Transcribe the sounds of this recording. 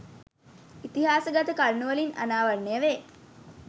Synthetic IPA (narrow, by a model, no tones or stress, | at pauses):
it̪iɦaːsəɡat̪əkaɾnːuʋəlina̰naːʋɐrːejəʋeː